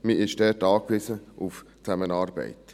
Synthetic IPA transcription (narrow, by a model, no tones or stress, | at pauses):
miːʔɪʃdɛːtɑːkʋɪsəʔuf | t͡sæmənɑːɾbɛ̰ɪt